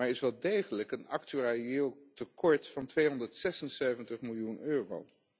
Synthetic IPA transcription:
aɹɪsʋɛlˠdejχələkənɑktyaiɪːlˠtəkɔɹtfɑntʋejɦɔndəɹtsɛsənseɥvəntəχmɪlˠjunøːro̰w

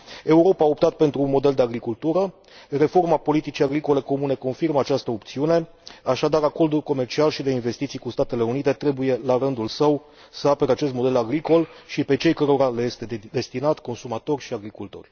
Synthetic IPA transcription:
e̞uɾo̞pao̞pt̪at̪̚pe̞nt̪ɾuːnmo̞d̪e̞ld̪eaɡɾikult̪uɾə | re̞fo̞rmapo̞lit̪it͡ʃijaɡɾiko̞le̞ko̞mune̞ko̞nfirməat͡ʃast̪əopt̪siune̞ | aʃad̪aɾako̞rd̪ulko̞me̞rt͡ʃialʃid̪e̞inve̞st̪it̪sijkust̪at̪e̞le̞unit̪e̞t̪ɾe̞buje̞laɾɨnd̪ulsəw | səapeɾeat͡ʃest̪mo̞d̪e̞laɡɾiko̞lʃipe̞t͡ʃe̞jkəɾo̞ɾalejest̪e̞d̪e̞st̪inat̪ko̞nsumat̪o̞rʲʃiaɡɾikult̪o̞̰rʲ

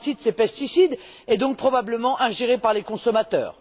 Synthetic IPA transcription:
t̪id̪əsepɛst̪isid̪ | ɛd̪ɔ̃k̚pχɔbabləmɑ̃ʔɛ̃ʒeʁepaʁlekɔ̃sɔmat̪œ̰ːʁ

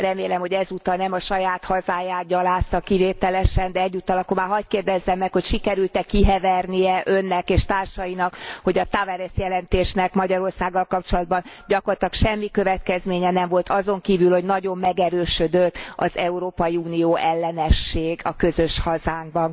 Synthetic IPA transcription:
rɛmeːlɛmhoɟɛzut̪ɒnɛmɒʃɒjaːt̪hɒzaːjaːt̪̚ɟɒlaːst̪ɒkiveːt̪ɛlɛʃɛnd̪ɛɛɟːut̪ːɒlɒkːormaːɦɒckeːrd̪ɛzːɛmːɛkhocʃikɛɾylt̪ɛkːiɦɛvɛrnijɛʔø̞nːɛkeːʃt̪aːrʃɒjinɒkho̞ɟɒt̪avɛɾɛsjɛlɛnt̪eːʃnɛkmɒɟɒɾo̞rsaːɡːɒlkɒp̚t͡ʃo̞lɒd̪̚bɒnɟɒkort̪ɒkʃɛmːikø̞vɛt̪kɛzmeːɲɛnɛɱvo̞lt̪ɒzo̞ŋkiːvylho̞ɟnɒɟo̞mːɛɡɛɾøːʃød̪øt̪ːɒ̰zɛuɾoːpɒjiuːnijoːʔɛlːɛnɛʃːeːɡɒkø̞zøʃhɒzaːŋɡ̚bɒn

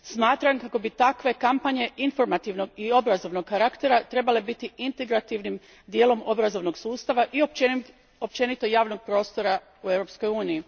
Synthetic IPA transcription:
smaːt̪ɾaŋkako̞bit̪akʋe̞kampaɲe̞info̞ɾmat̪iʋno̞ɡio̞bɾazo̞ʋnoɡkaɾakt̪e̞ɾat̪ɾe̞bale̞bit̪iint̪e̞ɡɾat̪iʋnim | d̪je̞ːlo̞mo̞bɾazo̞ʋno̞ɡsuːst̪aʋaʔio | o̞p̚t͡ʃe̞nit̪o̞jaːʋno̞ɡ̚pɾo̞ːst̪o̞ɾa | ueʋɾo̞psko̞juːniji

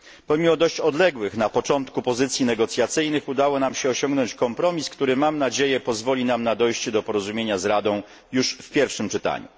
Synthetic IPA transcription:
pɔmʲimɔd̪ɔɕt͡ɕɔd̪lɛɡwɘxnapɔt͡ʂɔnt̪kupɔzɘt̪sʲjinɛɡɔt̪sʲjat̪sɘjnɘxud̪awɔnamɕɛɔɕɔ̃ŋɡnɔɲt͡ɕkɔmpɾɔmʲiskt̪uɾɘmamnad͡ʑejɛpɔzvɔlʲinamnad̪ɔjɕt͡ɕɛd̪ɔpɔɾɔzumʲjeɲazɾad̪ɔ̃w̃ | juʂfpʲjɛɾfʂɘmt͡ʂɘt̪a̰ɲṵ

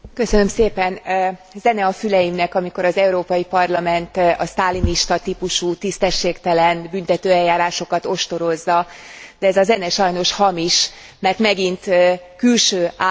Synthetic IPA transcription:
køsønø̞mseːpɛnzɛnɛɒfylɛjimnɛkɒmiko̞ɾɒzɛuɾoːpɒjipɒrlɒmɛnt̪ɒst̪aːliniʃt̪ɒt̪ipuʃuːt̪ist̪ɛʃːeːkt̪ɛlɛnbynt̪ɛt̪øːɛjːaːɾaːʃo̞kɒt̪o̞ʃt̪o̞ɾo̞zːɒd̪ɛːzɒzɛnɛʃɒjno̞ʃhɒmiʃ | mɛrt̪mɛɡint̪kylʃøːaː

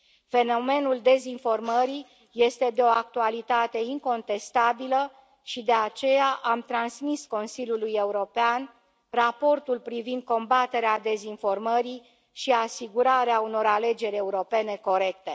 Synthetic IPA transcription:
fe̞no̞me̞nuld̪e̞zinfo̞rməɾi | je̞st̪e̞d̪eo̞ak̚t̪ualit̪at̪e̞iŋko̞nt̪e̞st̪abilə | ʃid̪e̞at͡ʃe̞jaʔamt̪ɾansmisko̞nsilʲjuluje̞uɾo̞pean | rapo̞rt̪ulpɾivind̪̚ko̞mbat̪e̞ɾead̪e̞zinfo̞rməɾi | ʃiasiɡuɾaɾeauno̞ɾale̞d͡ʒe̞ɾʲe̞uɾo̞pe̞ne̞ko̞ɾe̞kt̪e̞

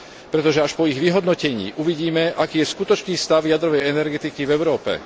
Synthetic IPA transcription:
pɾɛt̪ɔʒɛaʃpɔiɣʋiɦɔd̪nɔcɛɲḭːʔuʋiɟiːmɛʔakiːjɛskut̪ɔt͡ʃniːst̪aʊjad̪ɾɔʋɛjɛnɛɾɡɛt̪ikivɛʊɾɔːpɛ̰

